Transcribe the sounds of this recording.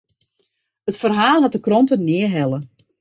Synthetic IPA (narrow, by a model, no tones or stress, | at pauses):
ətfərɦaːlˠɦat̚dəkrɔntənɪəɦɛlˠə